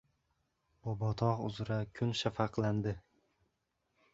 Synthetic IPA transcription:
b̥ɒbɒt̪ʰɒqʊ̰zɾakʲʰʊnʃafɑqlˠand̪ɪ

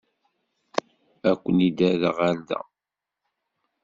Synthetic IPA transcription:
ækʷːənid̪æðəʁaɾd̪æ̰

